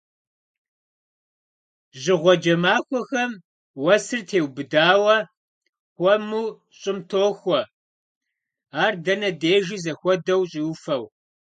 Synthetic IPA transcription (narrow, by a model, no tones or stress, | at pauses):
ʑɪʁʷɔd͡ʒɐmaːxʷɔxɐm | wɐsɨrtʰeːwbɨdaːwɐ | xʷɔmuː | ɕʼɪmtʰoːxʷɔ | aːrdɐnɐdeːʒizɐxʷɔdɐwɕʼiwfɐw